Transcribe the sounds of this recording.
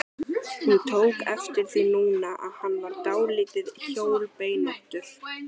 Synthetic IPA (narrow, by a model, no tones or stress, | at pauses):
hunt̪ʰoːwkɛft̪ɪɾ̥θinuːnaʔa̰ðhanːvaɾt̪aːwlɪːt̪ɪðçoːwlpeːjnaht̪ʏɾ̥